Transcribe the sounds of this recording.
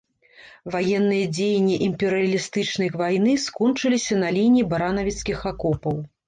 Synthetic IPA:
vajɛnːɨjɐd͡zʲejnʲːiʔimpʲɛɾɨɐlʲist̪ɨt͡ʂnɐjvajn̪ɨskɔnt͡ʂɨlʲisʲɐnɐlʲinʲibɐɾanɐvʲit̪skʲixakɔpɐw

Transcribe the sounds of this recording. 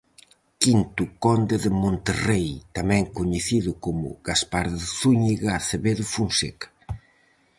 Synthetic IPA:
kint̪ukɔnd̪eðɪmõnt̪erejt̪amɛ̃ŋkoɲeθiðʊkomʊ̰ɣ̥aspaɾðɪθuɲiɣaθeβeðʊfunsekḁ

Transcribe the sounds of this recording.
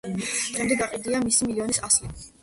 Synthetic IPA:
ɛmd̪ɛɡaqʼid̪iamisimiliɔnisasli

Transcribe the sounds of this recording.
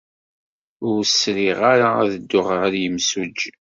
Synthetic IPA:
ʊɾsɾiʁaɾaæðəd̪ːʊʁəʁəɾjəmsud͡ʒ

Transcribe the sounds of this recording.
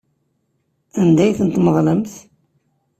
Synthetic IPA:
ænd̪æjθənt̪məðˤləmθ

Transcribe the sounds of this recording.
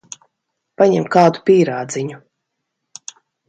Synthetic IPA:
paɲɛmkaːd̪u̥pʲiːɾaːd̪ziɲu

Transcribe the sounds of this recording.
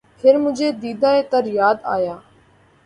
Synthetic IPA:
pʰɪɾmʊ̃d͡ʒeːd̪iːd̪aːeːt̪əɾjaːd̪a̰ːjaː

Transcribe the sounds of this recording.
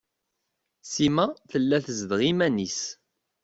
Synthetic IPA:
simæθəlːæθəzd̪ʁimænis

